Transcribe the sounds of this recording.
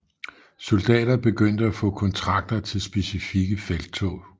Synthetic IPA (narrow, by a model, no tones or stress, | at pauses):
so̝ld̥ɛ̰ːd̥ɐb̥e̝ɡ̥øn̰d̥əæfɔ̰̽ːkʰɒ̽nt͡sʰʁɑ̈ɡ̥̚d̥ɐt͡sʰe̝lsb̥e̝sifiɡ̥əfeld̥̚t͡sʰɔ̰ː